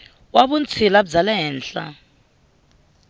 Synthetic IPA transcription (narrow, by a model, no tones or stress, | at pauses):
waβunt͡sʰilab̬d͡zalɛɦɛːnɬa̰